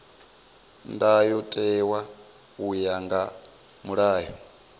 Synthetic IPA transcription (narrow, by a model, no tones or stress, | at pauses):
ndajɔtʼɛwa | ujaŋɡa | muɺaːjɔ̰